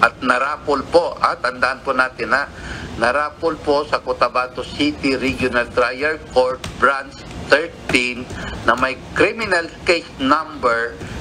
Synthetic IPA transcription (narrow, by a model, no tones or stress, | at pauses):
ʔɐt̪̚nɐɾaːpolpoʔa̰ːt̪ɐnd̪aʔɐnpʊnaːt̪ɪnanɐɾaːpolposɐkot̪ɐbaːt̪osit̪ɪɾiɡjʊnɐlt̪ɾajɛɹkoɹt̪̚bɹans | t̪ɛɹt̪inːɐmɐjkɾimɪnɐlkesnambɛɹ